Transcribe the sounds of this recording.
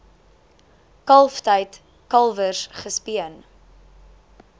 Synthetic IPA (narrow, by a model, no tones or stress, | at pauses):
kɐlˠftəjt | kɐlˠvəsχəspiən